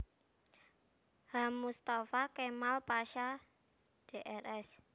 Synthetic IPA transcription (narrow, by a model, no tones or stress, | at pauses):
hamːust̪afakemalpaʃa | d̥eʔɛrɛs